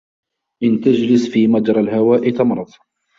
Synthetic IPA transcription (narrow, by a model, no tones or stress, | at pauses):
ʔɪnt̪ad͡ʒlɪsfiːmɑd̪ɾˤɑlɦawaːʔit̪ɑmɾˤɑd̪ˤ